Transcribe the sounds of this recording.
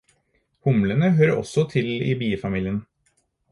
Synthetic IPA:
hʊmlənəɦøːɾɔ̰sɔt̪ʰɪlḭːbiːəfɑmiːlɪən

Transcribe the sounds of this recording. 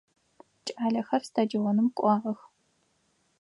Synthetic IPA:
t͡ʃʼaːɮɐxɐrstʰadiwonɨmkʷʼɑːʁɐx

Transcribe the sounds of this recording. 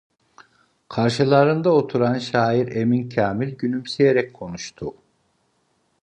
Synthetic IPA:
kʰaɾʃɯlˠaɾɯnd̪aot̪ʰuɾanʃaːiɾe̞mincʰaːmilʲɟynymsejeɾɛc̚kʰo̞nuʃt̪ʰʊ

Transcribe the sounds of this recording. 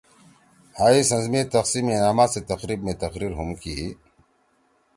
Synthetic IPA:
haːisɐ̃nzmeːt̪ɐqsiːmenaːmaːset̪ɐqɾiːbmẽt̪ɐqɾiːɾɦumkiː

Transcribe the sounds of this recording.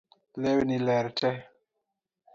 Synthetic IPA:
lewnilɛɾtɛ

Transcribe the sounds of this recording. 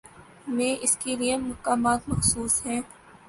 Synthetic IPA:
mẽːʔɪskeliemɐkaːmaːt̪mɐxsuːsɦɛ̃ː

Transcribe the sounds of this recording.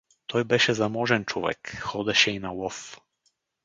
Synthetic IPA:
t̪ʰɔjbɛʃɛzamɔʒɛnt͡ʃɔvɛ̰kxɔd̪ɛʃɛinawɔf

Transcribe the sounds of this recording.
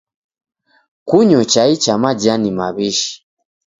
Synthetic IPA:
kuɲɔt͡ʃait͡ʃamad͡ʒanimaβiʃi̥

